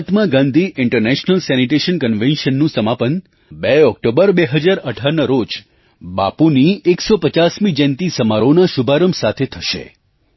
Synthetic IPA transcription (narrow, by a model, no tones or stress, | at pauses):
t̪mãɡãnd̪ʱiʔɪɳʈəɾneʃnəlsɛniʈ̬eʃənkənʋẽnʃənːũsəmapən | beɔk̚ʈobəɾbeɦəd͡ʒaɾəʈʰaɾnəɾod͡ʒ | bapunieksopət͡ʃasmid͡ʒɛ̃nt̪isəmaɾonaʃubʱaɾəmsat̪ʰet̪ʰəʃḛ